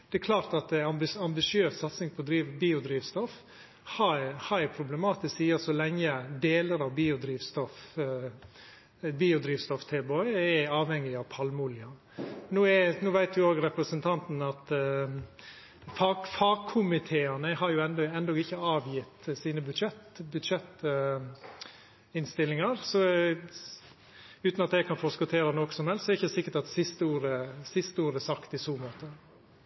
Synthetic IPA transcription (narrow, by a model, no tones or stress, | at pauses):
d̪̥ɛɛkʰlɑːɾt̪ɑt̪̚d̪ɛɑbɪɑmbɪʂɪøːssɑt̪sɪŋpʰɔd̪ɾiːʋbiːʊd̪ɾiːʋst̪ɔf | hɑhɑɛpʰɾʊblɛmɑːt̪ɪsksiːəsɔlɛŋːəd̪eːləɾɑʋbiːʊd̪ɾiːʋst̪ɔf | biːʊd̪ɾiːʋst̪ɔft̪ʰɛlbɔʏɛɑːʋhɛŋːɪɑʋpʰɑlmʊlɪɑ | nuːɛnuːʋæɪt̪ʋɪoːɡɾɛpɾəsənt̪ʰɑnt̪n̩ɑt̪ | fɑfɑkʰʊmɪt̪ʰeːɑnəhɑɾjʊɛnd̪ɔɛnd̪ɔɡɪçːəɑːʋjɪt̪ːsiːnəbʉd̪ʂɛt̪bʉd̪ʂɛt̪ | ɪnst̪ɪlːɪŋɑɾsɔ | ʉːt̪nɑt̪̚d̪æɛkʰɑnfɔskʊt̪ʰeːɾɑnɔksɔmhɛlst̪sɔɛɾɪçəd̪ɛsɪkːəʈɑt̪sɪst̪əuːɾəsɪst̪əuːɾəsɑkt̪ɪsuːmoːt̪ə